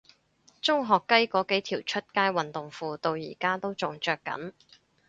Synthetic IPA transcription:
t͡sʊ˥ŋɦɔː˨˩kːɐ˥jkɔː˨˥ke˨˥jt̪ʰiː˨˩wt͡ʃʰɵ˥t̚kaː˥jwɐ˨nt̪ʊ˨ŋfuː˧t̪o˧wjḭː˨˩kaː˥t̪o˥wt͡sʊ˨ŋt͡ʃœː˧kːɐ̰˨˥n

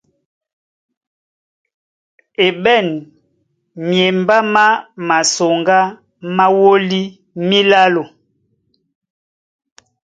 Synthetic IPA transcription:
e˨ɓɛ˦˨n | mje˨mba˦ma˦ma˨so˨ŋɡa˦ | ma˦wo˦li˦ | mi˦la˦lo˨

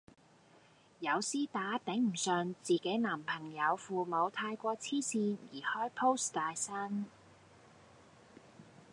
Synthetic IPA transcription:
jɐ˨˧wsiː˥t̪aː˨˥t̪ɛ˨˥ŋm̩˨˩sœː˨˧ŋt͡siː˨ke˨˥jnaː˨˩mpʰɐ˨˩ŋjɐ˨˧wfuː˨˧mo˨˧wt̪ʰaː˧jkʷɔː˧t͡sʰiː˥siː˧njiː˨˩hɔː˥jpʰo˥wst̪aː˨jsɐ˥n

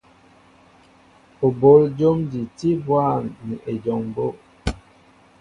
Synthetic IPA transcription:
o˨bo˨˦ld͡ʒo˦mdi˨ti˦bwa˦˨ŋni˨ʔe˨d͡ʒɔ˨ŋbo˦

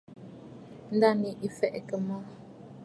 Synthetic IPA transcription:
n̩˦da˦˨ni˨ʔi˨fɛ˦ʔkə˨mɔ˦

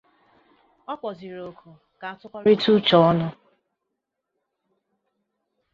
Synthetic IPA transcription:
ɔ˦kʷɔ˨zi˨ɾo˨kʰʊ˨ | ka˨a˦tʊ˦kʷa˦ɾi˦tu˦t͡ʃɔ˨˦ɔ˦nʊ˨

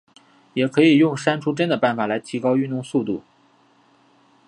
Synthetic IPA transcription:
jɛ˨˩kʰɤ˧˥i˨˩jʊ˥˩ŋʂa˥nʈ͡ʂʰu˥ʈ͡ʂə˥nd̪ə˨˩pa˥˩nfa˨˩la˧˥ɪt̪ʰi˧˥kɑ˥ʊy˥˧nt̪ʊ˥˧ŋsu˥˧t̪u˥˩

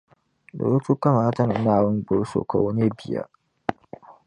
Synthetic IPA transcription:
do̰˨ɾo˦tu˦ka˦ma˨˦tɐ˦na˨naː˦˨wʊ˦ŋ˦bʊ˨ɾso̰˨ka˨wʊ˦ne˦bi˨ja̰˦

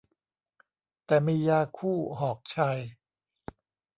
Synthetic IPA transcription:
t̪ɛː˨˩miː˧jaː˧kʰuː˥˩ɦɔː˨˩k̚t͡ɕʰa˧j

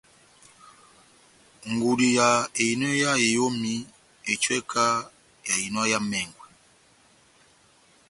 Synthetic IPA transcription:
ŋɡu˨li˨ja˨e˨i˨nwɛ˦ja˦e˨jo˦mi˦ | ɛ˨t͡ʃwɛ˦kʰa˦ | ja˨i˨nwa˦ja˦mɛ˨ŋɡwɛ˨

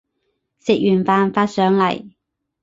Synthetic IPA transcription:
sɪ˨k̚jyː˨˩nfaː˨˧nfaː˧t̚sœː˨˥ŋlɐ̰˨˩j

